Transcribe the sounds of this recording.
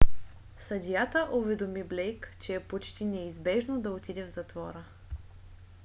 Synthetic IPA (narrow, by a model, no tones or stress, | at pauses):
sɐd̪ʲijat̪əʔovɛd̪omiblɛjkt͡ʃɛːpot͡ʃt̪inɛizbɛʒnod̪ɐot̪id̪ɛvzɐt̪vɔɾə